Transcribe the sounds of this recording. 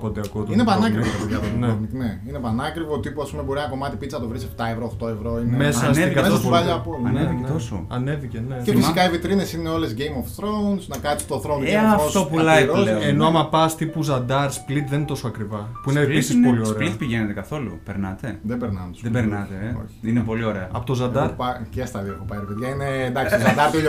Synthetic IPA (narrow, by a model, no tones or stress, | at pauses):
pot̪eɐkot̪inepɐnɐkɾivoɐðjɐt̪oneomt̪neinepɐnɐkɾivot̪ipuɐspumebo̞ɾinɐko̞mɐt̪ipit̪t͡snɐt̪o̞vɾisept̪ɐevɾoxt̪oevɾo̞inmesɐseiɐmeɐsvɐʎɐɐpolnevient̪oso̰ɐne̞vicenecefisikɐivit̪ɾinesineolezʝejmofθɾownsnɐkɐst̪oθɾoneɐfosopulɐiɾooeno̞ɐmɐpɐst̪ipuzɐnd̪ɐɾsplit̪ðent̪o̞soɐkɾivɐpuineːpisisoliosɾelit̪piʝenet̪ekɐθo̞lṵpeɾnɐt̪e̞ðebeɾnɐmsðebeɾnɐt̪eo̰çiinepo̞lio̞ɾeɐɐ̰pot̪ozɐnd̪ɐɾpɐcest̪ɐðikopɐeɾpeðʝɐined̪ɐkssznd̪ɐɾt̪io